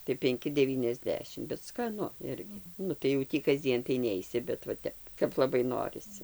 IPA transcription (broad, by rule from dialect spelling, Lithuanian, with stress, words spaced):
tɐɪ pʲɛŋʲˈkʲɪ dʲɛˌʋʲiːnʲɛzʲˈdʲæːʃʲɪm bʲɛt skɐˈnʊ ˈɪrʲɡʲɪ ˈnʊ tɐɪ jɛʊ ˈtʲiː kɐzʲˈd͡zʲiɛn tɐɪ ˈnʲɛɪsʲɪ bʲɛt ʋɐ ˈtʲɛp kɐp lˠɐˈbɐɪ ˈnoːrʲɪsʲɪ